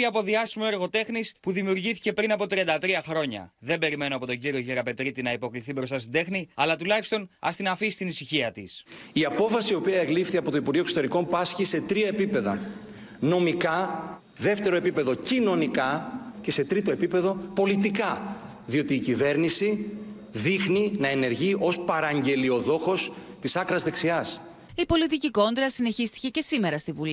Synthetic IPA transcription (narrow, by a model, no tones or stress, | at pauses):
iɐpo̞ðiɐsimoeɾɣo̞t̪e̞xnispuðimiuɾʝiθi̥ce̞pɾinɐpo̞t̪ɾiɐnd̪ɐt̪ɾiɐxɾo̞ɲɐ̰ðe̞mbe̞ɾime̞noɐpo̞t̪o̞ɲɟiɾio̞ʝeɾɐpe̞t̪ɾit̪inɐipo̞kliθibɾo̞st̪ɐst̪ind̪e̞xniɐlɐt̪ulɐçi̥st̪o̞nɐ̰st̪inɐfisi̥t̪inisiçiɐt̪is | iɐpo̞fɐsio̞piɐeɣlifθiɐpo̞t̪o̞ipuɾʝiokso̥t̪e̞ɾiko̞mpɐsçise̞t̪ɾiɐe̞pipe̞ðɐ | no̞mikɐ | ðe̞ft̪e̞ɾo̞e̞pipe̞ðo̞cino̞nikɐce̞se̞t̪ɾit̪o̞e̞pipe̞ðo̞po̞lit̪ikɐ | ðio̞t̪iːcive̞ɾnisi | ðixninɐe̞ne̞ɾʝiʔo̞spɐɾɐɲɟe̞lio̞ðo̞xo̞st̪isɐkɾɐzðe̞ksiɐs | ipo̞lit̪iciko̞nd̪ɾɐsine̞çist̪i̥ce̞ce̞sime̞ɾɐst̪ivuli